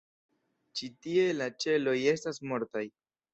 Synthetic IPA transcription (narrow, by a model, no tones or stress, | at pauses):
t͡ʃitie̞lat͡ʃe̞lo̞je̞stasmo̞ɾtaj